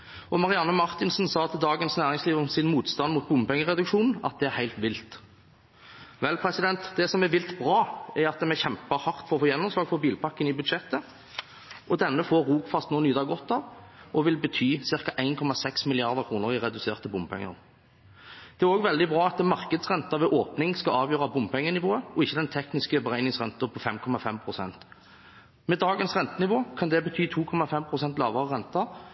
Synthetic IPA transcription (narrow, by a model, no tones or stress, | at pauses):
ɔmɑʁɪɑnːəmɑʁt̪ɪnsn̩sɑːt̪ʰɪld̪ɑːɡənsnæːʁɪŋsliːʋəmsɪnmuːt̪st̪ɑnmʊt̪̚bʊmpɛŋːəʁɛd̪ʉkʂuːnɑ̰t̪̚d̪ɛæɾhæɪt̪ʋɪlt̪ | ʋɛlpʰʁɛsɪd̪ɛnt̪d̪ɛsɔmɛʋɪlt̪bʁɑːæɾɑt̪̚d̪ɛmɛçɛmpəhɑʁt̪fɔɾɔfoːjɛnːɔmslɑːɡfɔɾbiːlpɑkːənɪbʉd̪ʃɛt̪ːə | ʔɔd̪ɛnːəfoːɾːuːkfɑst̪noːnyːd̪ɑɡɔt̪ːɑʋʔɔʋɪlbət̪ʰyːsɪʁkɑʔæɪnkʰɔmɑsɛksmɪlɪɑʁd̪əkʰʁuːnəʁɪʁɛd̪ʉseːʁt̪əbʊmpʰɛ̰ŋːə̰ʁ | d̪̥ɛæʁoːɡʋɛld̪ɪbʁɑːɑt̪mɑʁkəd̪sʁɛnt̪ɑʋɛʔoːpnɪŋskɑɑːʋjøːʁɑbʊmpʰɛŋːənɪʋoːəɔɪçːəd̪ɛnt̪ʰɛknɪskəbəʁæɪnɪŋsʁɛ̰nt̪əpʰɔfɛmkʰɔmɑfɛmpʰʁʊsɛ̰nt̪ | mɛːd̪ɑːɡənsʁɛnt̪ənɪʋoːkʰɑnd̪ɛbət̪ʰyːt̪ʰuːkʰɔmɑfɛmpʰʁʊsɛnt̪lɑ̰ːʋɑʁəʁɛnt̪ɑ